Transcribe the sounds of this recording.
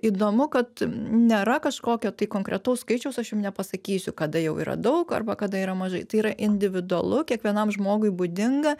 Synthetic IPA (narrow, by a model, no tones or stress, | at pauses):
iːd̪oːmʊkɐt̪nʲeːɾɐkɐʃkoːkʲoːt̪ɐɪkoːŋkɾʲɛt̪ɐʊsskɐɪt͡ʃʲɛʊsɐʃjʊmnʲɛpɐsɐkʲiːsʲʊkɐd̪ɐjɛʊḭːɾɐ̰d̪ɐʊkɐ̰rbɐkɐd̪ɐiːɾɐmɐʒɐɪt̪ɐɪiːɾɐʔɪnʲd̪ʲɪʋʲɪd̪ʊɐlˠʊkʲiɛkʋʲiɛnɐmʒmoːɡʊɪbʊd̪ʲɪŋɡɐ